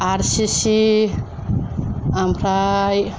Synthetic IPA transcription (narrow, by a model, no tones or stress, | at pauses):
aɾsisi | amɾaj